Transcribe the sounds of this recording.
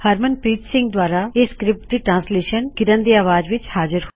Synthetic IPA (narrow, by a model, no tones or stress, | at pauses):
həɾmənpɾiːt̪sɪ̃ŋɡ̚d̪waːɾaːeːskɾɪp̚ʈ̚d̪iːʈɾãːnsleːʃənkɪɾənd̪eːaːʋaːd͡ʒʋɪt͡ʃhaːzəɾ